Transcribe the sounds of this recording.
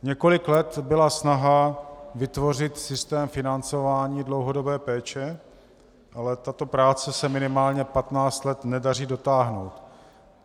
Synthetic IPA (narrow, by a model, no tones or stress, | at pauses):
ɲɛko̞lɪklɛt̪bɪlasnaɦavɪt̪vo̞r̝ɪt̪sɪst̪ɛːmfɪnant͡so̞vaːɲiːdlo̞wɦo̞do̞bɛːpɛːt͡ʃɛ | ʔalɛt̪at̪o̞pɾaːt͡sɛsɛmɪnɪmaːlɲɛpat̪naːt͡st̪lɛt̪nɛdar̝iːdo̞t̪aːɦno̞wt̪